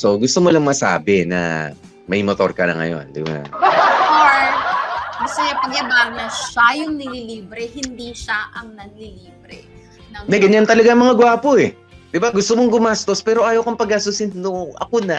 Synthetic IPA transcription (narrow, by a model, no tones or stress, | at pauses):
so̞ɡʊst̪omolɐŋmɐsa̰ːbɛnɐ̰ | mɐjmot̪o̞ɾkɐnɐ̰ŋɐ̰jo̞̰nd̪ɪ̰mo̰nɐ̰oɹ | bɐsɐjɐpɐɡjɐbaɡ̚nɐʃajʊŋnɪliliːbɾɛhɪnd̪iʃaʔɐŋnɐɡ̚liliːbɾɛ̰ | nɐnɐɡɐɲant̪ɐlɐɡaɐŋmɐŋaɡwaːpoɛ | d̪ɪbaɡʊst̪omoŋɡʊmast̪o̞spɛːɾo̞ʔaːjɐwkɐmpɐɡasʊsɪnnoʔɐ̰konɐ